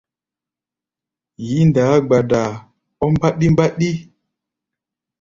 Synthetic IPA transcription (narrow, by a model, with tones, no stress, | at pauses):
ji˨˦nda˨˦ɡ͡ba˨da˨ | ɔ˦mba˦ɗi˦mba˦ɗi˦